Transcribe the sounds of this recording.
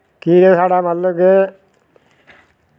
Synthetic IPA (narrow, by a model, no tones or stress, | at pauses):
kiːɾesaːɽaːməlːoɡe